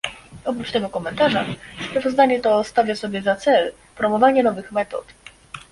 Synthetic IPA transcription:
ɔp̬ɾut͡ʂt̪ɛɡɔkɔmɛnt̪aʐaspɾavɔzd̪aɲɛt̪ɔst̪avʲjasɔbʲjɛzat̪sɛl | pɾɔmɔvaɲɛnɔvɘxmɛt̪ɔ̰t̪

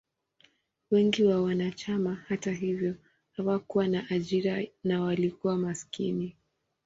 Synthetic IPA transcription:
wɛŋɡiwawanat͡ʃamahataɦivjɔ | hawakuwanaʔaʄiɾanawalikuwamaskḭni

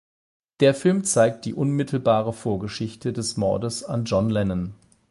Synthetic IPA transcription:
d̥eːɐfɪlmt͡saɪk̚t̚d̥iːʔʊnmɪtʰl̩baːʁ̞əfoːɐɡəʃɪçtʰədɛsmɔɐdəsand͡ʒɔnlɛnən

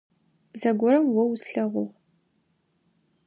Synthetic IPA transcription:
zɐɡʷɔɾɐmwɔwsɬɐʁʷʊʁ

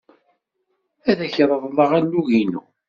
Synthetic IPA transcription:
æðæçɾˤəðˤlˤəʁænːuʝinṵ

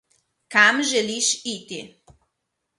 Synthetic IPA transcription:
kamʒɛliʃit̪ḭ

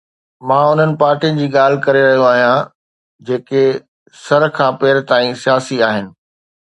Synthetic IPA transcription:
mãːʊn̤ənɪ̆paːɾʈiənɪ̆d͡ʑiːɠaːl̤ɪ̆kɐɾeɾɐɦijoaːɦijã | d͡ʑeːke | sɐɾkʰãːpeːɾt̪aːĩsijaːsiaːɦɪnɪ̆

